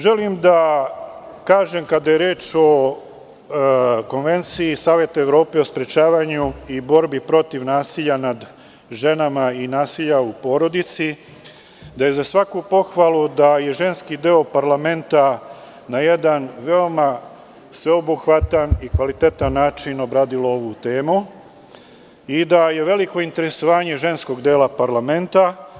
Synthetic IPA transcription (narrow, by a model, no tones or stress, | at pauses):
ʒe̞limd̪a | kaːʒe̞mkad̪ajeɾeːt͡ʃo̞ | ko̞nʋe̞nt̪siːsaːʋje̞t̪ueʋɾo̞ːpe̞ospɾet͡ʃaːʋaɲuibo̞ɾbipɾo̞t̪iʋnaːsiʎanad̪ | ʒe̞namainaːsiʎaupo̞ːɾo̞d̪it̪si | d̪aje̞zasʋakupo̞xʋalˠud̪aje̞ʒe̞nskid̪eo̞paɾlˠame̞nt̪a | naje̞d̪anʋe̞o̞ma | sʋe̞obuxʋat̪anikʋalit̪e̞t̪anːaːt͡ʃino̞bɾaːd̪ilo̞o̞ʋut̪e̞ːmu | id̪aje̞ʋe̞liko̞int̪e̞ɾe̞so̞ʋaːɲe̞ʒe̞nsko̞ɡd̪eːlapaɾlame̞nt̪a